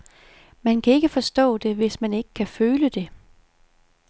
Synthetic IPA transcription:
mænkʰæe̝ɡ̥əfɒ̽sd̥ɔ̰̽ːd̥e̝ʋe̝smæne̝ɡ̥ə̥kʰæføːləd̥e̝

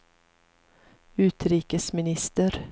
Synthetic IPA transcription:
ʉːt̪ɾiːkəsmɪnɪst̪əɾ

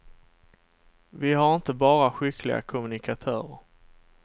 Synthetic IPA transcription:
vɪɦaɾɪnt̪əbɑːɾaɧʏklɪ̰ɡa̰kʰʊmɵnɪkʰat̪ʰœːɾəɾ

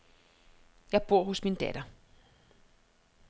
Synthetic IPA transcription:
jɑ̈ɪb̥o̝ɐ̰ɦosmind̥æd̥ɐ

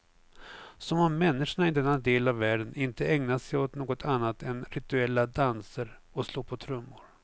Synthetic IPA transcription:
sɔmɔmːɛnːɪʂaɳaɪd̪ɛnːad̪eːlavːæːɖənɪnt̪əɛŋnasɛjot̪noːɡɔt̪ʰanːat̪ʰɛnɾɪt̪ɵɛlːad̪ansəɾ | ɔsloːɾpʰɔt̪ʰɾɵmːʊɾ

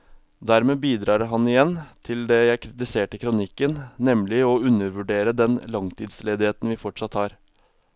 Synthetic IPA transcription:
d̪æɾmeːbiːd̪ɾɑːɾɦɑnɪjɛnt̪ʰɪld̪ɛjæɪkʰɾɪt̪ɪseːʈɪkʰɾʊnɪkːənnɛmlɪɔʉnːəɾʋʉɖeːɾəd̪ɛnlɑŋt̪ʰiːd̪sleːd̪ɪheːt̪n̩ʋɪːfɔʈʂɑt̪hɑːɾ

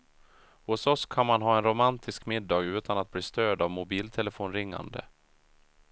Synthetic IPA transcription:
hʊsɔskʰanmanɦɑːɛnɾʊmant̪ʰɪskmɪd̪ːɑːɡʉ̟ːt̪anat̪̚bliːst̪øːɖ̪avmʊbiːlt̪ʰɛləfoːnɾɪŋːa̰nd̪ə̰

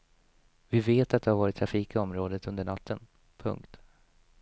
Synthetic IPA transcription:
vɪveːt̪at̪̚d̪ɛhaɾvɑːɾɪt̪ʰːɾafiːkɪɔmɾoːd̪ət̪ɵnd̪əɳat̪ʰːən | pʰɵ̰ŋkt̪

